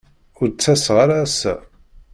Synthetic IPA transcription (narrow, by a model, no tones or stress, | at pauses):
ʊɾt͡sːæsʁaɾaːsæ̰